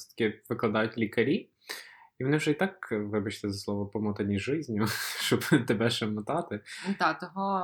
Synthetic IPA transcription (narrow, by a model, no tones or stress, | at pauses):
sʲt̪ɐ̥kʲɪʋɪklˠɐd̪ɑjʊtʲlʲikɐɾʲi | iʋɔnɪʊʒɛit̪ɑkʋɪbɐt͡ʃt̪ɪzɐslˠɔʋɔpɔmɔt̪ɐnʲijʒɪzʲnʲʊʃt͡ʃɔbt̪ebɛʃɐmɐt̪ɑt̪ɪʊd̪ɑt̪ɔɦɔ